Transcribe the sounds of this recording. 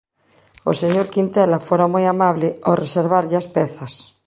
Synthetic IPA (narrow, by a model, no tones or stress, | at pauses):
o̰seɲoɾkint̪elafoɾamojamaβleoreseɾβ̞aɾʎaspeθas